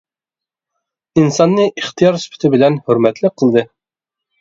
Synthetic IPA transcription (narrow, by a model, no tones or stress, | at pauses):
insɑnːɤʔiχt̪ijɑɾspɵ̥̆t̪ɘbɘ̆lænhɵ̆ɾmæt̪lɘqɤ̆lˠd̪ɤ